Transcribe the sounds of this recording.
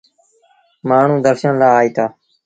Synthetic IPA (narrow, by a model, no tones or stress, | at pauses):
maːɳ̤ũːd̪əɾʃənlaːaːiːt̪aː